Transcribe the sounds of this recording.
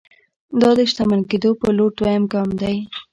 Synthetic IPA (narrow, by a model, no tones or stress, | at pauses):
d̪ɑd̪əʃt̪amalked̪opəloʈ̪wajamkɑmd̪aj